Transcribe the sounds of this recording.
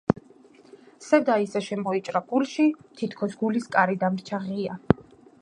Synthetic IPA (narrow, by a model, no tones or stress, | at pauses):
sɛd̪aisaʃɛmɔit͡ʃʼɾaɡ̥ulʃit̪ʰit̪ʰkʰɔsɡuliskʼaɾid̪amɾt͡ʃʰaʁia